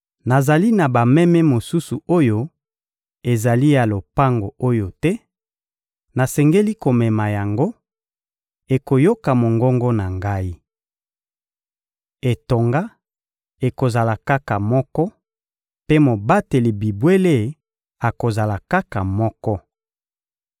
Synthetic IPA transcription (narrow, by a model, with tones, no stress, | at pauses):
na˨za˨li˦na˨ba˨mɛ˦mɛ˦mo˨su˦su˨o˦jo˦ | e˨za˨li˦ja˨lo˨pa˦ŋɡo˨o˦jo˨tɛ˦ | na˨sɛ˨ŋɡe˦li˦ko˨mɛ˨ma˨ja˨ŋɡo˦ | e˨ko˨jo˦ka˨mo˨ŋɡɔ˦ŋɡɔ˦na˨ŋɡa˦i˦ | e˨to˨ŋɡa˦ | e˨ko˨za˨la˨ka˦ka˨mɔ˦kɔ˦ | pe˦mo˨ba˦te˨li˨bi˨bwe˦le˦ | a˨ko˨za˨la˨ka˦ka˨mɔ˦kɔ˦